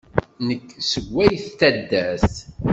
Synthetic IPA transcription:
nəkːsəɡʷːæjθt̪æd̪ːæθ

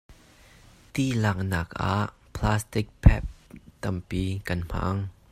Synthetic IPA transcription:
t̪ilak̚naːka̰ʔpʰlaːst̪ɪk̚pʰɛ̰p̚t̪ɐmpikɐnm̥a̰ːŋ

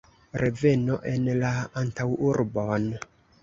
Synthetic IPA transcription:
ɾʔe̞ve̞no̞ʔe̞nlaantawuɾbo̞n

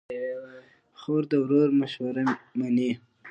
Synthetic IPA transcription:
xoɾd̪əwɾoɾmaʃwaɾamani

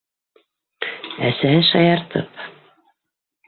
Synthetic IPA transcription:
æsæhɘʃɑjɑɾt̪ɤp

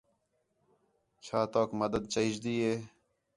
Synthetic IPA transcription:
t͡ɕʰaːt̪oːkməd̪əd̪̚t͡ɕəid͡ʑd̪iːeː

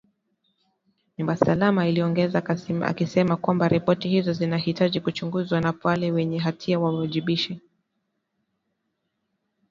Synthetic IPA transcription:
ɲumbasalamailiɔŋɡɛzaa̰kisɛmakwambaɾipɔtihizɔzinahitaʄikut͡ʃuŋɡuzwanapalɛwɛɲɛɦatʰiawawaʄiɓiʃi

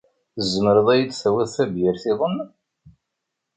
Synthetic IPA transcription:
θəzːəməɾəðˤæjəd̪θæwæðθæbjəɾθɪðˤənː

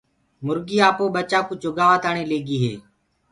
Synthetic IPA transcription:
mʊɾɡiːaːpoːɓət͡ʃaːkut͡ʃʊɡaːʋaːt̪aːɳeːleːɡiːɦḛː

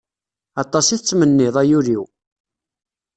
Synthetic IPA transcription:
ɑt̪ˤːɑsiθət͡sːmənːɪðˤæjuɾiw

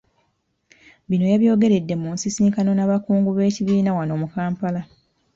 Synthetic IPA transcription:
βino̞jaβjo̞ːɡe̞ɾe̞dːe̞muːnsisiːŋkano̞naβakuːŋɡuβe̞ːciβiːnawano̞ːmukaːmpala

